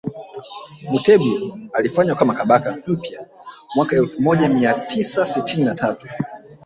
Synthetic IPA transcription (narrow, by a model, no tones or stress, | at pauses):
mutɛɓialifaɲwakamakaɓakam̩pjamwakaɛlfumɔʄamiatʰisasitʰininatʰatu̥